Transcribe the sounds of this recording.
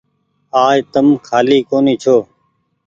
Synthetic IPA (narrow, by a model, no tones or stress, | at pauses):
aːjt̪əmkʰaːliːkoːniːt͡ʃʰoː